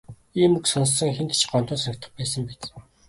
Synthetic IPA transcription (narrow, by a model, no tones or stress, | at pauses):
iːmuksɔnssːə̆ŋxent̪t͡ɕʰɢɔnt̪ʊːsɞkʲt̪ə̆χpæːsə̆mpet̪